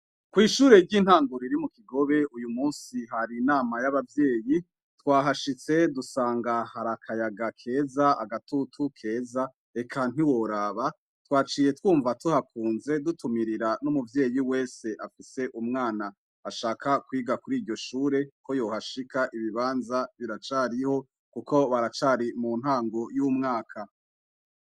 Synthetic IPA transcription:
kwiːʃuːɾe̞ɾɟiːn̥haːŋɡuɾiɾimukiɡo̞βe̞ujumuːnsiɦaɾinaːmajaβavje̞ːji | twaːɦaʃit͡se̞dusaːŋɡahaɾakʰajaɡakʰe̞ːzaa̰ɡatutʰukʰe̞ːza | ekʰan̥hiwo̞ɾaβa | twaːt͡ʃiːje̞twuːɱvatuhakʰuːnze̞dutumiɾiɾanumuvje̞ːjiwe̞ːse̞ʔafise̞ʔumŋaːnaː | ʃaːkʰakwiːɡakuɾiːɾɟo̞ʃuːɾe̞ko̞jo̞ːhaʃikaʔiβiβaːnzaβiɾat͡ʃaːɾiho̞ | kuko̞βaɾat͡ʃaɾimuːnhaːŋɡo̞jumŋaːkʰa

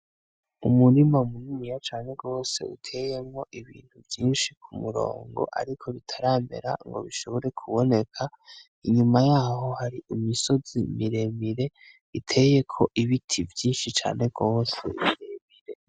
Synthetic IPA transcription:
umuɾimaumunimijat͡ʃaːne̞ɡo̞ːse̞̰ṵtʰe̞je̞mŋo̞ʔiβḭːn̥huvjiːnʃikʰumuɾo̰ːŋɡo̞̰ʔa̰ɾikʰo̞βitʰaɾaːme̞̰ɾa̰ŋɡo̞̰βiʃo̞βo̞ɾe̞kʰuβo̞ne̞kʰa | iɲumajaːɦo̞haɾiimiso̞zimiɾe̞ːmiɾe̞ | itʰe̞je̞kʰo̞ʔiβitʰivjiːnʃit͡ʃa̰ːne̞ɡ̥o̞ːse̞̰miɾeːmiɾe̞

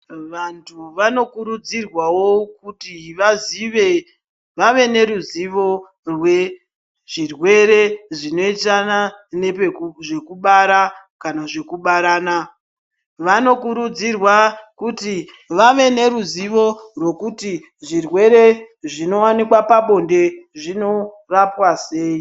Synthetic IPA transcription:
ʋantʰuʋano̞kuɾud͡zirwawo̞kutiʋaziʋe̞ | ʋaʋe̞ne̞ɾuziʋo̞ | rwe̞ | ʐ̥irwe̞ɾe̞ʐino̞itananepʐe̞kuɓaɾa | kanaʐe̞kuɓaɾaːna | ʋano̞kuɾud͡zirwakuti | ʋaʋe̞ne̞ɾuziʋo̞rwe̞kuti | ʐirwe̞ɾe̞ʐino̞wanikwapaɓo̞nde̞ʐino̞ | rapwaseːi

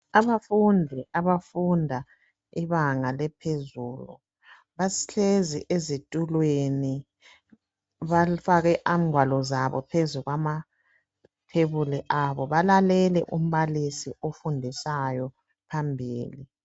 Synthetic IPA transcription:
aβafundʱɛʔaβafundʱa | iβaŋalɛpʰezuːlu | βasi̥ɬezḭʔezitʼulweni | βafaɣɛʔam̩ʱwalɔzaβɔ̰pʰezuɣwama | pʰeβuliʔaβɔβalalɛlɛʔum̩βalisiofundʱisajɔ | pʰambʱiːli

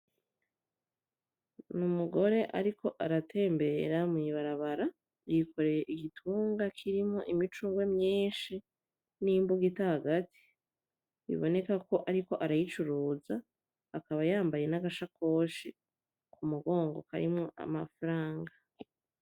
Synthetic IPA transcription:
numuɡo̞ɾe̞ʔa̰ɾikʰo̞ʔaɾatʰe̞ːmbe̞ɾamŋiβaɾaβaɾa | jikʰo̞ɾe̞je̞ʔiɡitʰuːŋɡakʰiɾimŋo̞̰ʔimit͡ʃuŋɡwe̞mɲiːnʃi | nimbuɡitahaɡati̥ | βḭβo̞ne̞kako̞ʔaɾiko̞ʔaɾajit͡ʃuɾuːzaː | kaβajaːmbaje̞naɡaʃako̞ːʃi | kʰumuɡo̞ːŋɡo̞̰kaɾḭmŋo̞ʔa̰mafɾaːŋɡa

